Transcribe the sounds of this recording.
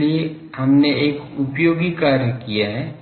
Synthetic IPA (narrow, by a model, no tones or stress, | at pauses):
lie | ɦɐmneeːkʊpjoːɡikaːɾjəkijaɦɛː